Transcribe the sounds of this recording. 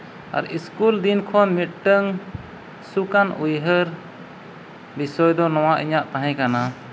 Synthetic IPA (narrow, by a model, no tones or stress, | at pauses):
a̰ɾiskuld̪inkʰɔnmit̪̚ʈəŋ | sukanʔujɦəɾ | bisɔjd̪ɔnɔwaʔiɲaʔt̪ãɦɛ̃kana